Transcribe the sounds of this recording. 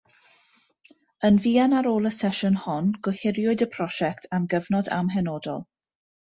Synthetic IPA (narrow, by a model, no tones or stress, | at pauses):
ənviːanaɾoːlˠəsɛʃʊnhɔnɡ̥ʊhɪɾjʊɨdəpʰr̥ɔʃɛktʰamɡəvnɔda̰mɦɛnɔːdɔ̰lˠ